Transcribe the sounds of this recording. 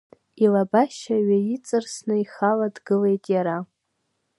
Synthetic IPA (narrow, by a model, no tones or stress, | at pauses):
ilabaʃaɥait͡sʼɨrsnɨiχaladɡɨlejtʼjaɾa